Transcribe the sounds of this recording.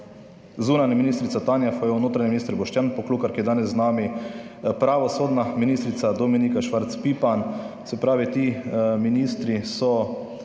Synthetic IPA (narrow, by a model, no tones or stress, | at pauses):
zuːnanaminiːst̪ɾit̪sat̪aːnjafajɛunoːt̪ɾaɲiminist̪ɾbɔʃtjanpɔkluːkaɾkijɛd̪aːnɛzːnaːmipɾaʋɔsoːd̪naminiːst̪ɾit̪sad̪ɔminikaʃʋaɾt̪spipan | sɛpɾaːʋit̪iːminist̪ɾisɔ